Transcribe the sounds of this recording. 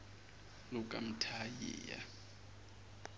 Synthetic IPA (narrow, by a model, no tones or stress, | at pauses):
lʊkʼam̩tʰajɛ̰ːja̰